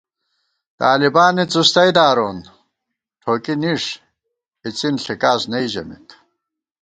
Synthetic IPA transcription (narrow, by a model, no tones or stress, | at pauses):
t̪aːlibaːnit͡sust̪ɐjd̪aːɾoːn | ʈʰoːkiniʂ | it͡sinɬikaːsnɐiʑɐ̰mḭt̪